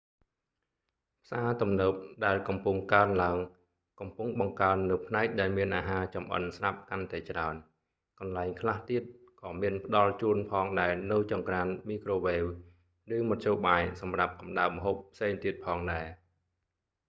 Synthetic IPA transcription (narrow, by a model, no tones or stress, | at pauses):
pʰsaːt̪umnəːp̚ɗaɛlkɑmpuŋkaənlaəŋ | kɑmpuŋɓɑŋkaənːɨwpʰnaɛk̚ɗaɛlmiənʔaːɦaːt͡ɕɑmʔə̰nsrap̚kant̪aɛt͡ɕraən | kɑnlaɛŋkʰlaht̪iət̪̚ | kɑːmiənpə̆ɗɑlt͡ɕuənpʰɑːŋɗaɛnɨwt͡ɕɑŋkraənmiːkroːʋeːw | rɨːmɔt̪̚ʰt͡ɕoːɓaːjsɑmrap̚kɑmɗaəp̚məɦoːp̚ʰːseːŋt̪iət̪̚pʰɑːŋɗaɛ